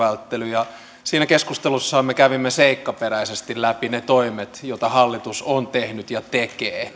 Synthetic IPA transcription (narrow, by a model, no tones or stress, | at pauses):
ælt̪ːelyjɑ | siːnækeskust̪elusːɑɑmmekæʋimːeseikːɑperæisest̪illæpinet̪oimet̪jot̪ɑhɑlːit̪usont̪ehnyt̪jɑt̪ekeː